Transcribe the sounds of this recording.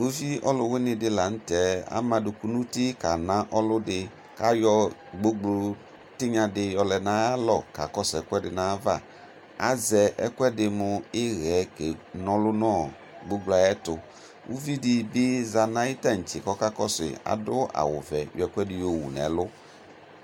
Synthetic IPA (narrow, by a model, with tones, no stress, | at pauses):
o˦vi˦ɔ˦lʊ˧wɪ˦nɪ˧dɪ˧la˨n̩˦tɛ˨˦a̰˦mã˧dʊ˧ku˦nu˦ti˦ka˨nã˦ʔɔ˦lʊ˦dɪ˧ | ka˦jɔ˧ɡ͡bo˦ɡ͡blo˨˧ | tɪ˦ɲã˧dɪ˦jɔ˧lɛ˨nã˦a˦lɔ˦˨ka̰˨kɔ˦sɛ˨˦kwɛ˦dɪ˨na˨˦va˦˨ | a̰˦zɛ˨ʔɛ˦kwɛ˦dɪ˧mʊ˧ɪ˦ɣɛ˨˦ke˨nɔ̃˦lʊ˦nɔ˦˨ | ɡ͡bo˦ɡ͡bla˨jɛ˦tʊ˨ | ṵ˦vi˦dɪ˧bɪ˦za˧nã˦ɪ˦ta˦˨n̩˨t͡ʃɪ˨kɔ˦ka˦kɔ˦sɪ̰˨a̰˨dʊ˦a̰˨wʊ̰˨vɛ˨jɔ˨ɛ˦kʷɛ˦dɪ˨jo˨wṵ˨nɛ̰˨˦lʊ˦